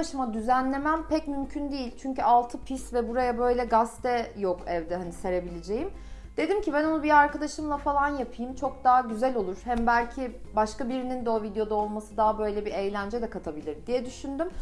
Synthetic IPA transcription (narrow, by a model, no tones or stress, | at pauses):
aʃɯmad̪yzænlʲe̞mæmpʰɛcmymcʰynd̪ijilʲt͡ʃʰyɲcyalˠt̪ʰɯpʰisvɛbuɾajabø̞jlʲɛɡast̪ɛjokɛvd̪ɛɦanise̞ɾe̞bilʲed͡ʒe̞jim | d̪̥e̞d̪imcibæno̞nubiaɾkad̪aʃɯmlˠafalˠanjapʰɯjɯmt͡ʃʰo̞k̚d̪aːaɟyzælʲo̞lˠuɾ̥hæmbælʲcʰibaʃkabiɾinind̪ɛovid̪jo̞d̪ao̞lˠmasɯd̪aɦabø̞jlʲɛbiejlʲænd͡ʒɛd̪ɛkʰat̪ʰabilʲiɾd̪ijɛd̪yʃynd̪ym